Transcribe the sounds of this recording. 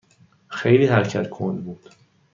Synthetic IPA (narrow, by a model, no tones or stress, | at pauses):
xejliːhæɾcʰæt̪kʰond̪buːd̪̥